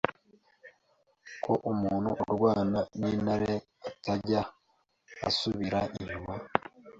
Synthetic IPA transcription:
kʰo̞ʔumuːnhuʔuɾɡwaːnaninaɾe | ataɟa | a̰suβiɾaʔiʒuβa

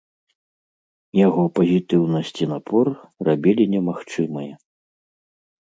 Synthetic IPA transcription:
jaɣɔpɐzʲit̪ɨwnɐsʲt͡sʲinapʰɔrrabʲilʲinʲɛmaxt͡ʂɨmɐjɛ

